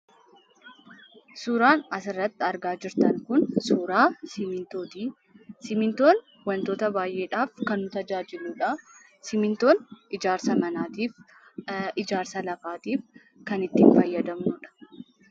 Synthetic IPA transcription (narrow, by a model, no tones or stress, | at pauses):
suːɾaːnɐsɪrːɐt̪ːɪɐɾɡaːd͡ʒɪɾt̪ɐŋkʊnsuːɾaːmɪt̪oːd̪iː | sɪmɪnt̪o̞ːn | wɐnt̪o̞ːt̪ɐbaːjʔe̞ːᶑaːfkɐnːʊt̪ɐd͡ʒaːd͡ʒɪluːᶑɐ | sɪmɪnt̪o̞ːnɪd͡ʒaːɾsɐmɐnaːt̪iːf | ɪd͡ʒaːɾsɐlɐfaːt̪iːf | kɐnɪt̪ːiːnfɐjːɐd̪ɐmnʊᶑɐ̥